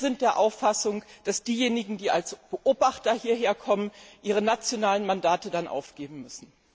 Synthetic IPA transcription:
zɪnt̚d̥eːɐʔaʊfasʊŋd̥asd̥iːjeːnɪɡŋ̩diːalsb̥əʔoːbaχtɐhiːɐɦeːɐkʰɔmənʔiːʁənat͡sjonaːlənmandaːtədanʔa̰ʊfɡ̥eːbm̩mʏsn̩

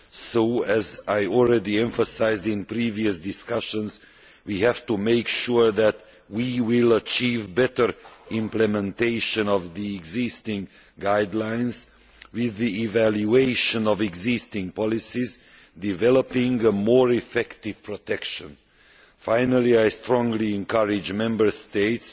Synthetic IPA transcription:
soʊɛzaɪɔlˠɹɛdiɛ̃ɱfəsaɪzdɪ̃npɹiviɨsdɪskʌʃə̃nz | wihæv̥tumeɪkʃuɹðæt | wiwɪlət͡ʃivbɛtə˞ɪ̃mplɛmɛ̃nteɪʃə̃nɔvðiɛɡzɪstɪ̃ŋ | ɡaɪdlãɪ̃nz | wɪðiivæljueɪʃə̃nɔvɛɡzɪstɪ̃ŋpɑlisiz | dɪvɛləpɪ̃ŋəmɔɹɪfɛktɪv̥pʰɹɔtɛkʃə̃n | fãɪnəliaɪstɹɔ̃ŋliɛ̃nkʰʌɹɪd͡ʒmɛ̃mbə˞steɪts

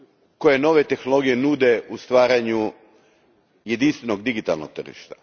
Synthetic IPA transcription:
ko̞jeno̞ʋe̞t̪e̞xnolˠo̞ɡije̞nud̪e̞ust̪ʋaːɾaɲu | je̞d̪inst̪ʋe̞no̞ɡd̪iɡit̪a̰lˠno̰k̚t̪r̩ʒḭʃt̪ḁ

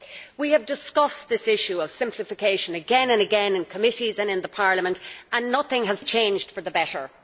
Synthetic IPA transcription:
wiəvdɪskʌsðɪsɪʃuʌv̥sɪ̃mpʰləfɪkʰeɪʃə̃nəɡɛ̃nə̃nəɡɛ̃nɪ̃nkʰəmɪɾizə̃nɪ̃nðəpʰɑɹləmə̃ntə̃nːʌθɪ̃ŋəz̥t͡ʃʰẽɪ̃nd͡ʒd̥fə˞ðəbɛɾə̰˞

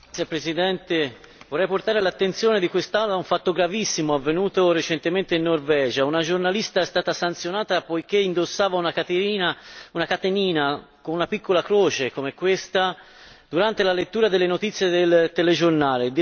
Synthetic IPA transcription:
epɾezid̪ɛnt̪e | vorːɛjport̪aːɾelat̪ːent̪sjɔːned̪ikwest̪anːoauɱfat̪ːoɡɾavisːimoavːenuːt̪oret͡ʃɛnt̪ement̪einːorvɛːd͡ʒaunad͡ʒornalist̪aɛst̪aːt̪asant̪sjonaːt̪apojk̟eind̪osːaːvaunakat̪einaunakat̪eniːnakonunapikːolakɾoːt͡ʃekomekwest̪a | d̪̥uɾant̪elalet̪ːuːɾad̪elːenot̪it̪sjed̪elt̪eled͡ʒornaːled̪

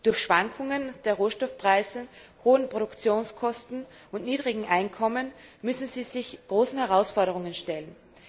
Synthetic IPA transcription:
d̥ʊɐçʃv̥aŋkʰʊŋənd̥eːɐʁoːʃtɔfpʁ̥aɪz̩hoːənpʁ̥oɾʊkt͡sjoːnskʰɔstn̩ | ʊntniːdʁɪɡŋ̩ʔaɪnkʰɔmənmʏsn̩ziːzɪçɡ̥ʁoːsn̩hɛʁaʊsfɔɐɾəʁʊŋənʃtɛlən

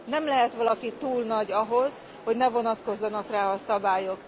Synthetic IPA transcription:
nɛmlɛɦɛt̪ʋɒlɒkit̪uːlnɒɟɒɦo̞z | ho̞ɟnɛvo̞nɒt̪ko̞zːɒnɒkraːɒsɒbaːjo̞k

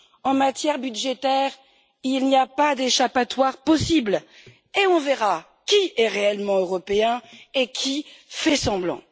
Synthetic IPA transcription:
ɑ̃mat̪jɛʁbyd̪ʒet̪ɛʁ | ilniapad̪eʃapat̪waʁpɔsibl | eɔ̃veʁa | kʲiɛʁeɛlmɑ̃øʁɔpeɛ̃ekʲʰifɛsɑ̃blɑ̰̃

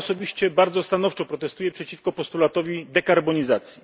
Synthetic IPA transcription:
ɔsɔbʲiɕt͡ɕɛbaɾd̪zɔst̪anɔft͡ʂɔpɾɔt̪ɛst̪ujɛpʂɛt͡ɕifkɔpɔst̪ulat̪ɔvʲid̪ɛkaɾbɔɲizat̪sʲji

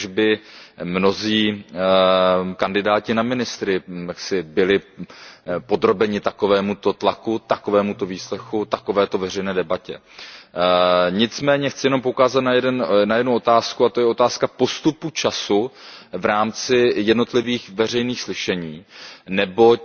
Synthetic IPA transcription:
ʒbɪmno̞ziː | kandɪdaːcɪnamɪnɪst̪ɾɪjaksɪbɪlɪ | po̞d̪ɾo̞bɛɲɪt̪ako̞vɛːmut̪ot̪lakut̪ako̞vɛːmut̪o̞viːslɛxut̪ako̞vɛːt̪o̞vɛr̝ɛjnɛːdɛbacɛ̰ | ɲɪt͡smɛːɲɛxt͡sɪjɛno̞mpoukaːzat̪najɛdɛnnajɛdnuʔo̞t̪aːskuat̪o̞jɛo̞t̪aːskapo̞st̪uput͡ʃasuvɾaːmt͡sɪjɛdno̞t̪lɪviːxvɛr̝ɛjniːxslɪʃɛɲiːnɛbo̞

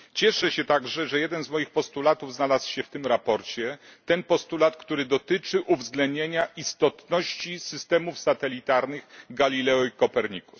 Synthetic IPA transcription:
t͡ɕɛʂɛɕɛt̪aɡʐɛʐɛjɛd̪ɛnzmɔjixpɔst̪ulat̪uvznalaswɕɛft̪ɘmɾapɔɾt͡ɕɛt̪ɛnpɔst̪ulat̪kt̪uɾɘd̪ɔt̪ɘt͡ʂɘʔuvzɡlɛnd̪ɲeɲaʔist̪ɔt̪nɔɕt͡ɕisɘst̪ɛmufsat̪ɛlʲit̪aɾnɘɣɡalʲilɛɔikɔpɛɾɲiku̥

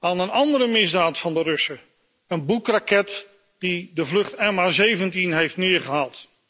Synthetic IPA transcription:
aːnənɑndəɾəmɪzdaːtfɑndərɵsə | ənbukrakɛt | d̥idəvlɵχtɛmazejvəntinɦejftnɪːɹχəɦaːlˠt

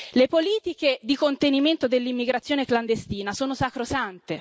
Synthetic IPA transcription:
lepoliːt̪ik̟ed̪ikont̪eniment̪od̪elːimːiɡɾat̪sːjoːnekland̪est̪iːnasoːnosakɾosant̪e

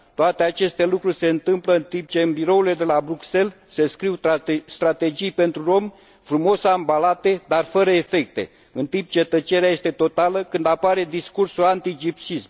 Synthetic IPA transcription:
t̪oat̪e̞at͡ʃe̞st̪e̞lukɾurʲse̞ɨnt̪ɨmpləɨnt̪imp̚t͡ʃe̞ɨnbiɾo̞ule̞d̪e̞labɾukse̞l | se̞skɾiwst̪ɾat̪e̞d͡ʒijpe̞nt̪ɾuɾo̞m | fɾumo̞sambalat̪e̞d̪arfəɾəefe̞k̚t̪e̞̰ | ɨnt̪imp̚t͡ʃet̪ət͡ʃeɾeajest̪e̞t̪o̞t̪aləkɨnd̪apaɾe̞d̪iskursulant̪id͡ʒipt͡ʃism

